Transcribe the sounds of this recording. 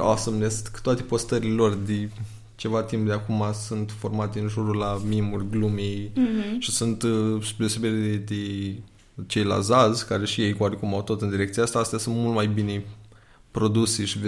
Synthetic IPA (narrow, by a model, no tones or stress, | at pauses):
asəmnest̪kə̥t̪oat̪e̞po̞st̪əɾile̞lo̞rd̪e | t͡ʃe̞vat̪impd̪eakumasunt̪fo̞rmat̪eɨnʒuɾulaminimulɡlumejʃisunt̪sud̪eoseberʲed̪e | t͡ʃe̞jla̰zazkaɾe̞ʃije̞jkoaɾekumawt̪o̞t̪ɨnd̪iɾek̪̚ijaast̪aast̪ejasunt̪mult̪majbine | pɾo̞d̪useʃi